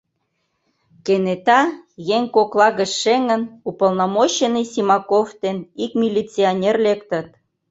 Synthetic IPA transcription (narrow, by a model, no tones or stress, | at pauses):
kenet̪ɑjeŋkoklɑɣəʃʃeŋə̆nupə̆lnomoɕenisʲimɑkoft̪enikmʲilʲit͡sionʲerlekt̪ə̆t̪̚